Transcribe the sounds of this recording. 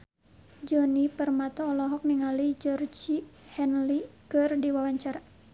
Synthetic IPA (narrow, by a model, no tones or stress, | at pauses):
d͡ʒɔnipərmat̪ɔːlɔɦɔk̚niŋalid͡ʒɔrd͡ʒihɛnlikɨrdiwawaɲt͡ʃaɾa